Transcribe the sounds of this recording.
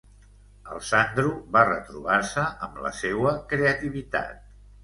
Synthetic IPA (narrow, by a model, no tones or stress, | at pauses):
ə̰lˠsand̪ɾuβarət̪ɾuβaɾsəʔəmlə̰sewəkɾeət̪iβit̪a̰t̪̚